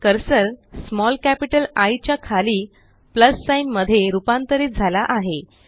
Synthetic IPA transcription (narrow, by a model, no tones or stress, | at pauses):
kəɾsəɾsmɔlkæpiʈəlajt͡ɕjakʰaliː | pləsːajnməd̪ʱːjeɾupant̪əɾiːt̪̚d͡zʱalaʔaɦe